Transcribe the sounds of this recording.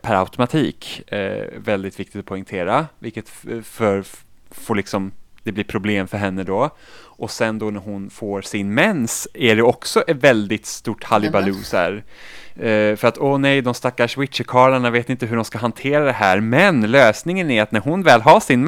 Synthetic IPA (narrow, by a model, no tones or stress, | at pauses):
pʰæɾa̰ʊt̪ʊmat̪ʰiːk | vɛld̪ɪt̪vɪk̚t̪ɪ̥t̪ɔ̥pʰɔɪŋt̪ʰeːɾavɪlkːət̪fœɾfoːɭɪksɔmd̪̥ɛblipʰɾʊbleːmfœɾɦɛnːəd̪ɔ | ʔɔsɛnd̪ɔnæɾɦʊnfoːɾsɪnmɛnsæɖɛɔksɔʔɛvɛld̪ɪt̪st̪uːʈhalɪbalʉːsæ̰ɾ | fœɾat̪ɔnɛjd̪ɔmst̪akːaʂwɪt̪ʂəkʰɑːɭaɳaveːt̪ɪɪnt̪əɦɵɖɔmskaɦant̪ʰeːɾad̪ɛɦæːɾmɛnløːsnɪŋənæɾat̪næɾɦʊnvɛːlɦaʂɪn